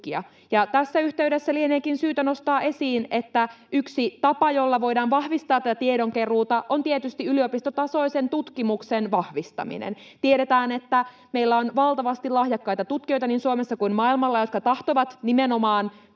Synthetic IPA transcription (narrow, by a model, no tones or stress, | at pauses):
iɑ̰ | jɑt̪æsːæyht̪e̞ydesːælieneːkinsyːt̪æno̞st̪ɑːʔe̞siːnet̪ːæyksit̪ɑpɑjo̞lːɑʋo̞jdɑːnʋɑhʋist̪ɑːt̪ːæt̪æt̪ieɾoŋkeruːt̪ɑʔo̞nt̪iet̪yst̪iylio̞pist̪ot̪ɑso̞isent̪ut̪kimuksenʋɑhʋist̪ɑ̰mḭnḛn | t̪ieɾet̪æːne̞t̪ːæ | meilːæonʋɑlt̪ɑʋɑst̪ilɑhjɑkːɑjt̪ɑt̪ut̪̚kio̞jt̪ɑninsuomesːɑkunmɑilmɑlːɑjo̞t̪kɑt̪ɑht̪oʋɑt̪nimeno̞mɑːn